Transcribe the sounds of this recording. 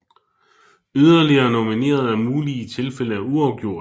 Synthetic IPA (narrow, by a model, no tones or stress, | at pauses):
yðˠɐliɐːno̝mine̝̰ːɐð̞ˠæmuːlit͡sʰe̝lfeləæuɑ̈ʊɡ̥jo̝ɐ̰